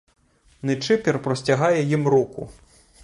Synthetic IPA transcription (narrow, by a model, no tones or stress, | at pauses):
nɨt͡ʂɪpʲɛrpɾɔsʲt͡sʲaɣajɛjimɾɔkṵ